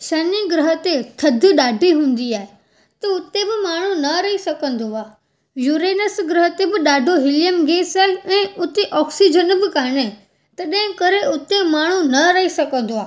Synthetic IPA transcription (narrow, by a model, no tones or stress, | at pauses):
ʃɐniɡɾɐɦət̪et̪ʰɐd̪ʱɪ̆ɗaːɖʱiɦũːn̆d̪iaːɦe | t̪ɐʊt̪ebɪmaːɳ̤unɐɾɐɦisɐkə̃nd̪oaː | juːɾeːnəsɡɾɐɦət̪ebɪɗaːɖʱoɦɪlɪjəmɡeːsaːɦeɛ̃ːʊt̪eʔɔːksid͡ʑənbɪkaːɽ̃e | t̪ɐɗɐ̃ɦɪ̃kɐɾeʊt̪emaːɳ̤unɐɾɐɦisɐkə̃nd̪oaː